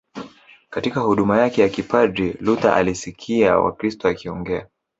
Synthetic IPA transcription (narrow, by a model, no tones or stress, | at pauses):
katikahuɗumajakɛjakipadɾiluta̰ʔa̰lisikʰiawa̰kɾistɔakiɔŋɡɛa